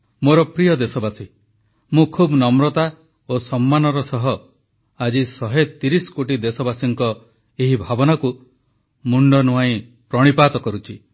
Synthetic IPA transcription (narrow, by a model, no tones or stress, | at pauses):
moɾɔpɾijɔd̪esɔbasi | mũkʰubnɔmɾɔt̪a | osɔmːanɔɾɔsɔɦɔ | ad͡ʒisɔɦet̪iɾisɔ̥koʈid̪esɔbasiŋkɔ | eɦibʱabɔnaku | muɳɖɔnuɦaĩ | pɾɔɽ̃ipat̪ɔkɔɾut͡ʃʰi